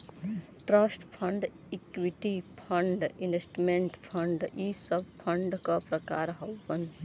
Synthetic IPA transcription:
ʈɾaːsʈpʰə̃ɳɖ | ikʋiʈipʰə̃ɳɖɪnʋesʈmẽɳʈpʰɐ̃ɳɖisəbpʰə̃ɳɖkapɾɐkaːɾɦɐʋən

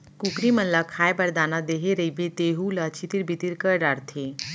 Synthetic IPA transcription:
kukɾimənlakʰajbəɾd̪anad̪eɦeɾəibet̪eɦulat͡ɕit̪iɾbʱit̪iɾkəɾɖaɾt̪ʰe

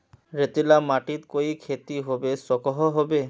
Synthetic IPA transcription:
ɾet̪ilamaʈit̪koikʰet̪iɦobesɔkɔɦɔɦɔbe

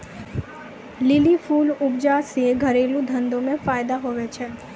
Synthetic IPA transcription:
lɪlifulʊbd͡ʒaseɡʱəɾelũd̪ʱənd̪õmẽfajd̪aɦoʋet͡ʃʰe

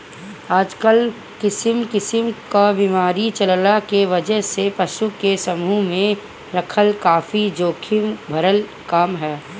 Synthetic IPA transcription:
aːd͡ʒkəl | kɪsɪmkɪsɪmkabimaːɾit͡ʃɐllakeʋɐd͡ʒəɦsepɐʃukesɐmumẽ | ɾɐkʰəlkaːfid͡ʒoːkʰɪmbʱɐɾəl | kaːmɦɛː

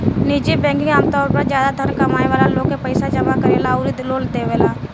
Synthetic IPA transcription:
niːd͡ʒibɛ̃ːŋkɪ̃ŋɡaːmt̪ɔːɾpəɾzjaːd̪ad̪ʱənkəmaːeʋaːlaloːɡkepəɪsad͡ʒəmakəɾelaːuɾiloːld̪eːʋeːlaː

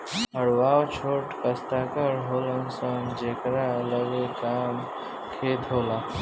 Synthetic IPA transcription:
ɦəɽʋawt͡ɕʰoʈkəst̪akəɾɦolənsəŋd͡ʑekɾaləɡekam | kʰet̪ɦola

